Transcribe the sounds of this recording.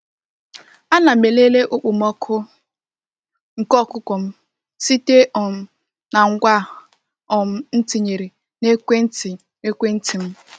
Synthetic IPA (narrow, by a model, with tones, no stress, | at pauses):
a˦na˨me˨le˦le˦ʔʊ˦k͡pʊ˨mɔ˦kʰʊ˦ | ŋ̩˨kɔ˦˨kʊ˦kʷɔ˨m̩˦ | si˦te˦ʔɔ˨m̩˦ | na˨ŋ̩˦ɡʷa˦ | ɔ˨m̩˦n̩˦ti˨ɲe˨ɾi˨ | ne˦kʷe˦n̩˦ti˨ | ne˦kʷe˦n̩˦ti˨m̩˦